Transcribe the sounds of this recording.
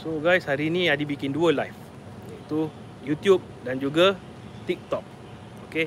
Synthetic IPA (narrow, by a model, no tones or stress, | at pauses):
soɡajshaɾinĩadibikinduəlajf | jait̪u | jut̪jup̚dand͡ʒuɡa | t̪ik̚t̪ɔk̚ | oke